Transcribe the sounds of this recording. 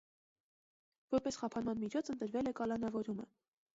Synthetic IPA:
vɔɾpɛsχɑpʰɑnmɑnmit͡ʃʰɔt͡sʰənt̪əɾvɛlɛkɑlɑnɑvɔɾumə̰

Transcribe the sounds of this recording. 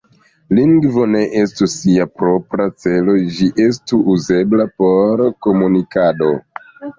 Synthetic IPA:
liŋɡvo̞ne̞ʔestusːiapɾo̞pɾat͡se̞lo̞d͡ʒiʔe̞s̬tuuze̞blapo̞ɾko̞munikado̞

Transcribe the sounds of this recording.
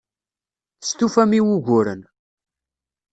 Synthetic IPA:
θə̥st̪ufæmiwuʝʷʊɾə̰n

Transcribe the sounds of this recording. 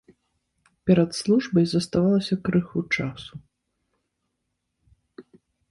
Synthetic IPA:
pʲɛɾɐt̪slˠuʐbɐjzɐst̪avalˠɐsʲɐkɾɨxut͡ʂasu

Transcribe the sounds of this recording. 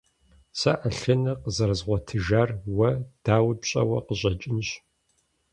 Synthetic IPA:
sɐʔaɬɐnɐqəzɐɾɨzʁʷɔtʰɨʒaːrwɐd̥aːwbɕʼɐ̰wɐqəʑʼɐt͡ʃʼɪnɕ

